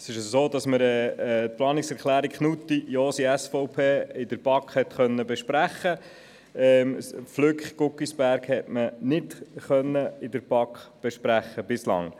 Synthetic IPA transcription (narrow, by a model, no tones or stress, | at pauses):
sɪʃəssoːd̥ɑsməɾɛt̪̚plɑːnɪksɛɾkχlæːɾikχnut̪ːijoːsiæsfɔʊpʰeːɪdəɾb̥ɑkχhɛt̪χœnːəbɛʃpɾæχːə | ɛmflʏkχɡ̥ʊkːisb̥æɾɡhɛtmənɪtχœnːəɪdəɾbɑkχb̥ɛʃpɾæχːəb̥ɪslɑ̰ŋ